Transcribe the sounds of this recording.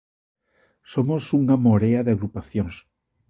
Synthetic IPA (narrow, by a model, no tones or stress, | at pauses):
somosuŋamoɾeaðeaɣɾupaθjoŋs